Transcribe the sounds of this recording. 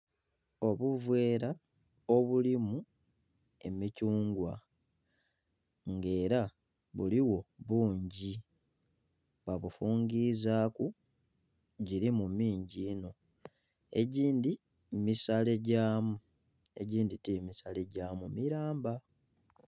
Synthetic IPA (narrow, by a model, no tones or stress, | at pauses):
o̞βuvwe̞ːɾa | o̞βulimu | e̞̰micuːŋɡwa̰ | ŋɡe̞ːɾa | βuliwo̞βuːɲɟi | βaβufuːŋɡizaːku | ɟiɾimumiːɲɟiːno̞ | e̞̰ɟiːndi | misale̞ɟaːmu | e̞̰ɟiːnditimisale̞ɟaːmumiɾaːmba